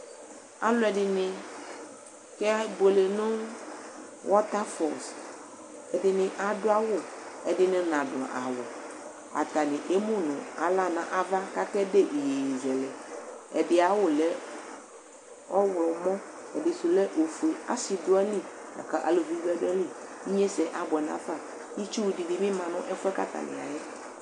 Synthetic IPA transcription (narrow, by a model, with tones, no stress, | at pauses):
a̰˦lʊ˦ɛ˨dɪ˨nɪ̃˨ | kɛ˦bo˨le˨nʊ̃˦ | wʔɔ˦t̪a˦fɔ˨s | ɛ˨dɪ˨nɪ̃˨ʔa˨dʊ˦a˦wʊ˦˨ɛ˨dɪ˦nɪ̃˦nã˨dʊ˨a̰˨ʔa˨wɔ˨ | a̰˨t̪a˨nɪ̃˨ʔe˦mũ˦nʊ̃˨a˨la˦nã̰˨ʔa˨va˦ka˦kɛ˦de˦˨ʔi˨je˨zɛ˨lɛ˨ɛ˨dɪ˨a˨wʊ˦lɛ˦ | ɔ˦wlɔ˨˦mɔ̃˦ɛ˨dɪ˨sʊ˨lɛ˦ʔo˨fu˨i˨a̰˦sɪ˨dʊ˦a˦li˦da̰˨ka˨ʔa̰˨lo˨vi˨˦bɛ˦dʊ˦ɛ˦li˦i˦ɲɛ̃˦sɛ˨ʔa˨bɛ˨nã̰˦fa˦˨ | i˦t͡ʃu˦wu˨di˨dɪ˨mɪ̃˦mã˨nʊ̃˦ʔɛ˦fʊ˦ɛ˦ka̰˦t̪a̰˨nɪ̰̃˨a̰˨jɛ˦